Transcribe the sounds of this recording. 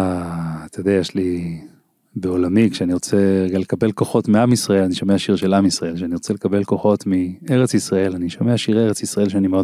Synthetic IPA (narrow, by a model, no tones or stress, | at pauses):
at̪ajod̪eajeʃli | beo̞lamikʃeaniʁo̞t͡seɡalekabe̞lko̞χo̞tmiamisʁaelaniʃomeaʃiʁʃe̞lamisʁae̞lʃeaniʁot͡selekabe̞lko̞χo̞tmieʁet͡sisʁae̞laniʃomeaʃieeʁet͡sisʁaelʃ̬eanimeod